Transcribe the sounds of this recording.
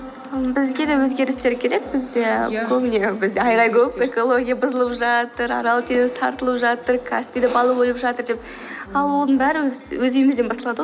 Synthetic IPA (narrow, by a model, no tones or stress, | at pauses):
əmbɪzɡʲed̪ewɵzɡʲe̞ɾɪst̪e̞ɾkʲʰe̞ɾe̞k̚bɪzd̪ekʲʰɵbnebɪzd̪eɑjʁɑjkʲʰɵpe̞ko̞lˠo̞ɡʲijabʊzəlˠəpʒɑt̪əɾɑ̰ɾɑlˠət̪ʰenzt̪ʰɑ̰ɾt̪əlˠəpʒɑt̪əɾkʰa̰spʲid̪ebɑlˠəbojlˠəpʒɑt̪əɾd̪e̞p̚ | ɑlˠwo̞lˠd̪əɴbæɾɪwɵzwɵzijɪmɪzd̪ebɑst̪ɑlˠɑd̪ə